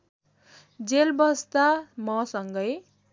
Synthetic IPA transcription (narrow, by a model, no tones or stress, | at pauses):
d͡zelbʌst̪amʌsʌŋɡʌj